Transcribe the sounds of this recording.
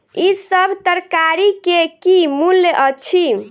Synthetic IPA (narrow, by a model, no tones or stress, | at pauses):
isəbʱt̪əɾkaɾikekimuljəʔət͡ʃʰi